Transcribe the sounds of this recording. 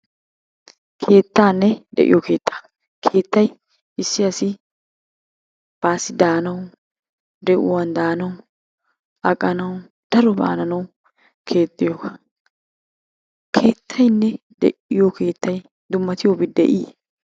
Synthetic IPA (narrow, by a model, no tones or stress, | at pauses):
kʰe̞ːt̪ːaːnːɛd̪ɛ̰ʔɪ̰jɔke̞ːt̪ʰːḁ | kʰeːt̪ːɐj | ɪsːɪjɐsɪ | b̥aːsɪd̪aːnɐw | d̪ɛʔʊwɐnd̪aːnɐw | ɐkʼːɐnɐwʊ | d̪̥ɐɾɔba̰ːnɐnɐw | kʰe̞ːt̪ʼːɪjokɐ | kʰe̞ːt̪ʰːɐjnːɛ | d̪ɛ̰ʔɪjokʰe̞ːt̪ːɐj | d̪ʊmːɐt̪ɪjobɪd̪ɛ̰ʔɪ